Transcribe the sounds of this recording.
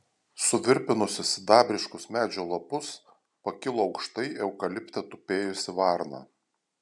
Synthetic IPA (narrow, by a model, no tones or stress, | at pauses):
sʊʋʲɪɾʲpʲɪnʊsʲɪsd̪ɑːbʲɾʲɪʃkʊsmʲæːd͡ʒʲoːlˠɐpʊs | pɐkʲɪlˠoːɒʊkʃt̪ɐɪɛʊkɐlʲɪpʲt̪ʲɛt̪ʊpʲeːjʊsʲɪʋɑɾnɑ̰ː